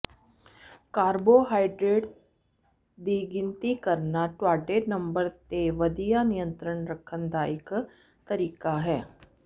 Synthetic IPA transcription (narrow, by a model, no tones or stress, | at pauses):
kaːɾboɦaːɪɖɾeːʈ | d̪iɡɪ̃nt̪ikɐɾnaʈwaːʈeːnɐ̃mbəɾt̪eʋɐd̪ijanijə̃nt̪ɾəɳɾɐkʰːənd̪aːɪk | t̪ɐɾiːkaɦɛː